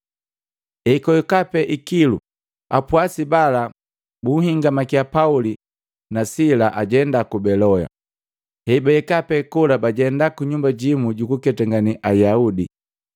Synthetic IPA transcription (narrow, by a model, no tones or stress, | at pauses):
ɛikɔjɛkapɛʔikilṵ | a̰pwasibala | buhiŋɡamakiapauli | nasilaʔaɟɛndakubɛlɔja̰ | hɛbaɛkapɛkulabaɟɛndakuɲumbaɟimuɟukukɛtaŋɡaniʔajaudi